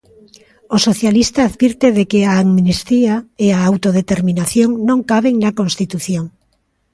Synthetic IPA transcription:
osoθjalist̪aːðβiɾt̪eðekeaːŋmnest̪iaeaawt̪oð̞et̪eɾmĩnaθjoŋnõŋkaβeŋnakõnst̪it̪uθjoŋ

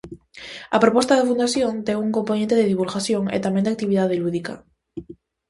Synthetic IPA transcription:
apɾopost̪aðafund̪aθjõnt̪eŋuŋkomponẽnt̪eðeðiβulɣaθjoŋḛt̪amẽnd̪eakt̪iβiðaðeluðika̰

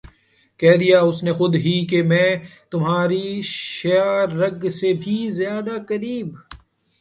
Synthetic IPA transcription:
kɛɦd̪ijaʊsnexʊd̪ɦikemɛ̃ːt̪ʊmɦaːɾiʃejaːɾːɐɡsebʱizjaːd̪akɐɾiːb

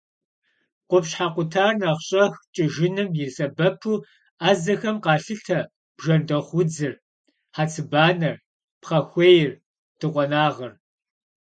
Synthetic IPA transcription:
qʷʊpɕħaːqʷʊtʰaːrnaːχɕʼɐxt͡ʃʼɪʒɪnɨmjɪsɐbɐpʰuː | aːzɐxɐmqɑːɬɨtʰɐ | b̥ʒɐndɐχʷʊd͡zɨr | ħaːt͡sʰɨbaːnɐr | pχɐxʷejɪr | tʰɨqʷʼɔnaːʁɐr

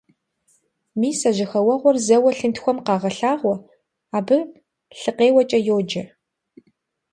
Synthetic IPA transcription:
miːsɐʑɪxɐwɐʁʷɔrzɐwɐɬɨntxʷɔmqɑːʁɐɬaːʁʷɔ | aːbɨ | ɬɨqeːwɐt͡ʃʼɐjoːd͡ʒɐ

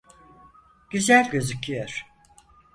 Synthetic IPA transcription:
ɟ̥yzælʲɟø̞zycʰːyjøɾ̥

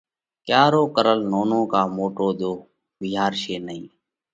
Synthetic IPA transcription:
kjaːɾoːkəɾəlnoːnõːkaːmoːʈoːɗ̪oː | biːɦaːɾʃeːnəĩː

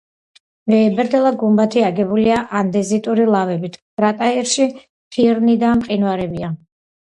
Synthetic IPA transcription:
vɛːbɛɾd̪ɛlˠaɡumbat̪ʰiaɡɛbuliaʔand̪ɛzit̪ʼuɾilˠavɛbit̪ʰ | ɾat̪ʼaiɾʃi | pʰiɾnid̪amqʼinwaɾɛbia

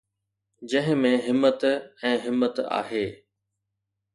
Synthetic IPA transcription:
d͡ʑɐ̃ɦɪ̃mẽɦɪmːət̪ɛ̃ːɦɪmːət̪a̰ːɦeː

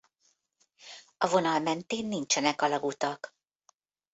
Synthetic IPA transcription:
ɒvo̞nɒlmɛnt̪eːnːint͡ʃɛnɛkɒlɒɡut̪ɒk

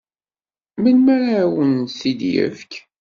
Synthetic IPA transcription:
məlmæɾawənsid̪jə̰fk

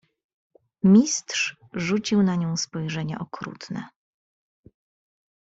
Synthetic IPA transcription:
mʲist̪ʂ | ʐut͡ɕiwnaɲɔ̃w̃spɔjʐɛɲa̰ʔɔkɾṵt̪nɛ̰

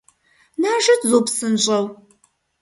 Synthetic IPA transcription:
naːʒɐtʰzoːpsɨnɕʼɐw

